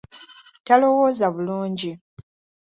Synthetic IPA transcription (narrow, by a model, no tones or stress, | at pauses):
talo̞wo̞zaβuluːɲɟi